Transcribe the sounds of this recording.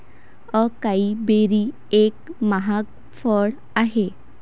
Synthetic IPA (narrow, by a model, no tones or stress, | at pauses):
əkaibeɾi | ekmaɦak | fəɽ | aɦe